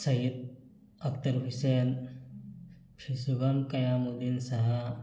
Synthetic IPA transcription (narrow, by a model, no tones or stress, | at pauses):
sɐɦit̪̚ | ɐkt̪ɐɾbʱisen | pʰisuɡɐmkɐjamud̪insɐɦɐ